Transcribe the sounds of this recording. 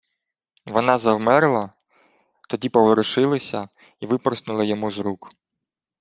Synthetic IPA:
ʋɔnɑzɐwmɛɾlˠɐ | t̪ɔdʲipɔʋeɾɪʃɪlˠɪsʲɐ | iʋɪpɔɾsnʊlˠɐjɔmuzɾuk

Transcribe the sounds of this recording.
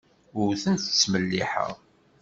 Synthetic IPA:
ʊɾθənθt͡sːməlːiħə̰ʁ

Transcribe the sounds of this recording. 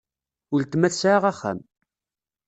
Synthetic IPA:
ʊlt̪mæθsʕaʁæχæ̰m

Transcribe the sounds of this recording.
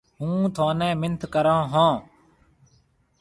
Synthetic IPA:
ɦũːt̪ʰoːnɛ̃ːmɪnt̪ʰkəɾãːɦãː

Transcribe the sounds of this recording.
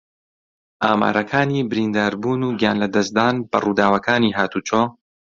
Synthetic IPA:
ʔaːma̰ːɾɐkʰaːniːbɨɾiːnd̪aːɾbuːnuːɡjaːnlɐd̪ɐsd̪aːnbɐ̰ruːd̪aːwɐkʰaːniːɦaːt̪uːt͡ʃʰoː

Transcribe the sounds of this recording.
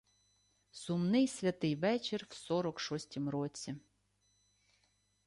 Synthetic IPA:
sʊmnɪjsʲʋʲɐt̪ɪjʋɛt͡ʃɪrwsɔɾɔkʃɔsʲtʲimɾɔt͡sʲi

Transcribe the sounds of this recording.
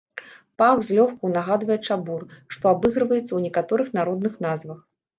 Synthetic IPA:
paɣzʲlʲɔxkuwnaɣad̪vɐjɛt͡ʂaburʂt̪ɔabɨɣɾɨvɐjɛt̪sːɐwnʲɛkat̪ɔɾɨxn̪aɾɔd̪nɨxnazvɐx

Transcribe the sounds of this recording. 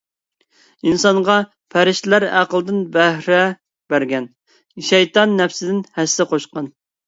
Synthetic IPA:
insɑɴʁɑ | pʰæɾɪʃt̪ɪlæɾæqəlˠd̪ɪnbæhɾɛ | bæɾɡʲɛn | ʃɛjt̪ɑnːɛfsɪd̪ɪnhæsːɪqʰoʃqɑn

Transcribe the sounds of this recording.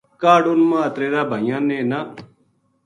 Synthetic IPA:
kaːɖʊnmãːɐt̪ɾeːɾaːbʱəjãːnẽːna

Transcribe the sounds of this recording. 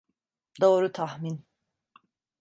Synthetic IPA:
d̪oːɾut̪ʰahmin

